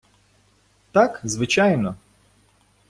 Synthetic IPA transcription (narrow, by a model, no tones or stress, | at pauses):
t̪akzʋɪt͡ʃajnɔ